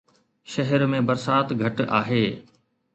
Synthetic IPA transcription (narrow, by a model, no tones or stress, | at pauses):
ʃɐɦəɾmẽbɐɾsaːt̪ɡʱɐʈa̰ːɦeː